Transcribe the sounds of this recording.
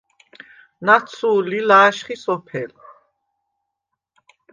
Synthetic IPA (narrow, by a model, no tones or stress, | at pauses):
nat̪sʰuːlilaːʃχisɔpʰɛl